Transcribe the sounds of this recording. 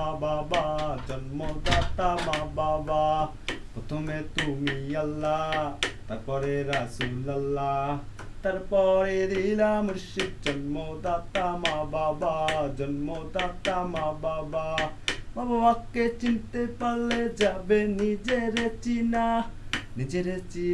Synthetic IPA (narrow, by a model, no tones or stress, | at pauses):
ababad͡ʒɐnmod̪aːt̪amababa | pot̪ʰomet̪umijɐlːat̪ɐkɔɾeɾɐsuːlɐlːat̪ɐɾpɔːɾeɾilamuɾʃid̪̚d͡ʒɐnmod̪aːt̪amababad͡ʒɐnmod̪aːt̪amababababɐʋakːet͡ʃint̪epɐlːed͡ʒɐbenid͡ʒeɾet͡ʃinanid͡ʒeɾet͡ʃi